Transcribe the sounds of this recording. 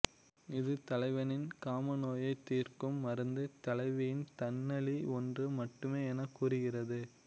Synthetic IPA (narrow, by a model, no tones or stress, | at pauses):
ɪðɯt̪ɐlɐɪʋɐnɪnkaːmɐnoːjɐɪt̪ːiːrkɯmːɐɾɐnd̪ɯt̪ɐlɐɪʋɐjɪnt̪ɐnːɐɭiɔndrɯmɐʈːɯmeːɛnɐkːuːrɯɣɪrɐðɯ